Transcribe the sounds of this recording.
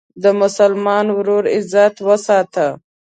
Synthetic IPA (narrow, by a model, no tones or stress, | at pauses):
d̪əmʊsalmɑnwɾoɾɪzat̪wəsɑt̪ə